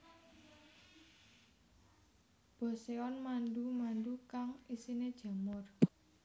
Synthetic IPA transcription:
b̥ɔ̤seɔnmanɖumandukaŋisined̥ʒ̥ä̤mʊr

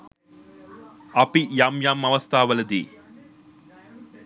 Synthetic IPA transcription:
ɐpijamjaːmɐʋɐst̪ʰaːʋɐlɐd̪ḭː

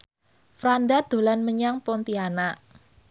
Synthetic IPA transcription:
fɾandad̪̥o̤lanməɲaŋpɔnt̪ianaʔ

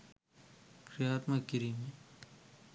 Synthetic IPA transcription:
kɾijaːt̪mɐkːiɾime

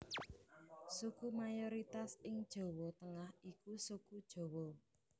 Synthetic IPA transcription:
sukumajɔɾit̪asɪŋd̥ʒ̥o̤wɔt̪əŋahikusukud̥ʒ̥o̤wɔ

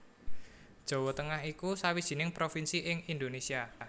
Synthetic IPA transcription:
d̥ʒ̥o̤wɔt̪əŋaɦikusawid̥ʒ̥i̤nɪŋpɾofinsiʔɪŋind̪onesia

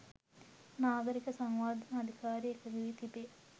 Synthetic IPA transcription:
naːɡɐɾikɐsɐŋʋaːd̪ʱɐnɐːd̪ʱikaːɾiekːɐɡiʋit̪ibe

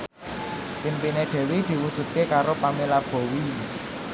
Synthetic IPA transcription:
pimpineɖ̪̥ɛ̤wed̪̥i̤wud̥ʒ̥ṳt̪̚kekaɾopamilab̥o̤wi

